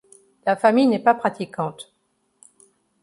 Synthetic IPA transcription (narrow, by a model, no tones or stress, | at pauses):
lafamijnɛpapχat̪ikɑ̃t̪